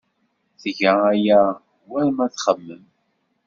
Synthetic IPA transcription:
θʝææjæ | wæɾmæθχəmːəm

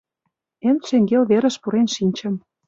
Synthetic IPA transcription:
emt̪ʃeŋɡelβeɾə̆ʃpuɾenʃinʲt͡ɕə̆m

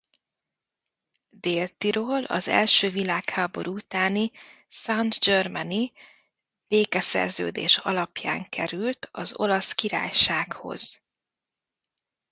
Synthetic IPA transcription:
d̪eːlt̪iɾoːlɒ̰zɛ̰lʃøːvilaːkhaːbo̞̰ɾʔuut̪aːni | sɒnd̪d͡ʒørmɛni | b̥eːkɛsɛ̰rzø̰ːd̪ḛːʃɒ̰lɒpja̰ːŋkʰɛɾylt̪ʰɒzo̞̰lɒskiɾa̰ːjʃaːkho̞̰z̥

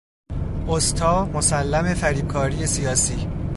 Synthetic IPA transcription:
ost̪ʰɒːmosælːæme̞fæɾiːb̥̚kʰɒːɾije̞sijɒːsiː

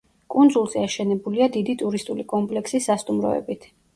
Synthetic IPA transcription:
kʼund̪zulˠzɛaʃɛnɛbuliad̪id̪it̪ʼuɾist̪ʼulikʼɔmpʼlɛksisːast̪ʼumɾɔ̰ɛ̰bit̪ʰ

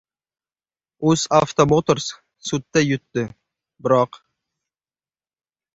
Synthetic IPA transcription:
ʊzaft̪omot̪oɾs | sʊt̪ːajʊt̪ːɪ | bɪɾɒq

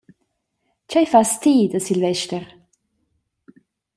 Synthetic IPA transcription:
t͡ʃajfast̪ʰiːd̪əsɪlvɛʃtəʁ

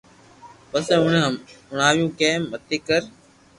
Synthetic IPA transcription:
pəsẽːʊɳːʊɳ̤aːʋjũːkẽːmət̪eːkəɾ

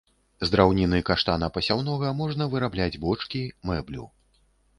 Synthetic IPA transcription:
zd̪ɾawnʲinɨkaʂt̪anɐpɐsʲawnɔɣɐmɔʐnɐvɨɾablʲad͡zʲbɔt͡ʂkʲimɛblʲṵ

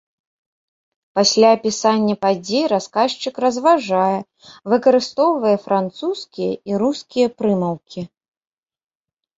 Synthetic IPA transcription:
pasʲlʲaːpʲisanʲːɐpad͡zʲejɾaskaʂt͡ʃɨkrɐzvaʐajɛ | vɨkɐɾɨst̪ɔwvɐjɛfɾʔant̪suskʲijɐ̰iɾuskʲijɐpɾɨmɐwkʲi

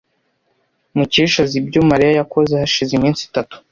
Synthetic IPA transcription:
muciʃazibɟomaɾijajako̞zehaʃizimiːnsi̥tatu̥

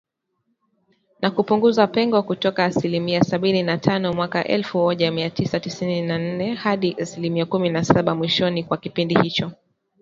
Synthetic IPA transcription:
nakupuŋɡuzapɛŋɡɔkutɔkaːsilimiasaɓininatʰanɔmwakaʔɛ̰lfumɔʄamiatisatisininan̩nɛhaɗiʔasilimiakuminasaɓamwiʃɔnikwakipindihit͡ʃɔ

